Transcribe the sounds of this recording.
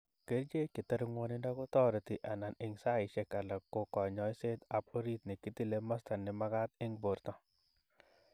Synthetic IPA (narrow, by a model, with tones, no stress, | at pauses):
ke˦ɾd͡ʒe˦kɪ˨tə˦ɾŋwɔ˦nɪ˦nda˦ko˦tɔ˦ɾe˨t̪i˨ʔa˨na˨nɪ˨ŋsa˦ɪ˨ʃe˦ka˨la˨kːo˨kɔ˨ɲɔ˨˦jse˦t̪a˨p̚o˦ɾi˦t̪nɪ˨ki˦t̪i˦le˦ma˦sta˨nːɪ˦ma˦ka˦t̪̚ɪ˦ŋbo˨ɾt̪ɔ˦